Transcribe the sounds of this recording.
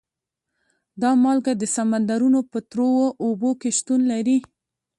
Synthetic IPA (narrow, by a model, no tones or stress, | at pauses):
d̪ɑmɑlɡad̪əsamand̪aɾunopət̪ɾowoʔobokeʃt̪unlaɾi